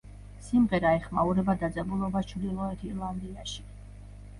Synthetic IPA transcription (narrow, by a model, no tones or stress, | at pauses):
simʁɛɾaɛχmauɾɛbad̪ad̪zʼɛbulˠɔbat͡ʃʰvd̪ilˠɔɛt̪ʰiɾlˠand̪iaʃi̥